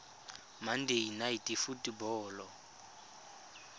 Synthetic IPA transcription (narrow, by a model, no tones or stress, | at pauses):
mandeinaitʼifutʼibɔːlɔ